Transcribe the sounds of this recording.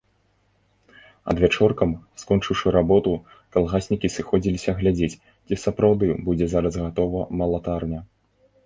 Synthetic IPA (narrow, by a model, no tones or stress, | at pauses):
ɐ̰d̪vʲat͡ʂɔrkɐmskɔnt͡ʂɨwʂɨɾabɔt̪u | kalˠɣasʲnʲikʲisɨxɔd͡zʲilʲisʲɐɣlʲad͡zʲet͡sʲ | t͡sʲisɐpɾawd̪ɨbud͡zʲɛzaɾɐzɣat̪ɔvɐmɐlˠat̪arnʲɐ